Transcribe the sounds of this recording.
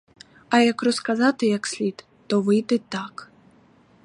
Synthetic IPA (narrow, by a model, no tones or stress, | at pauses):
ɐjɐkrɔskazat̪ɨjɐksʲlʲit̪ːɔvɨjd̪ɨt̪ak